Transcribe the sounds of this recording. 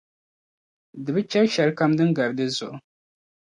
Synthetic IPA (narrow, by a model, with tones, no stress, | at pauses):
dɨ˨bɨ˦t͡ʃɛ˦ɾʃa˨ɾka˦mdɨ˦ŋɡa˨ɾdɨ˦zo̰˨˦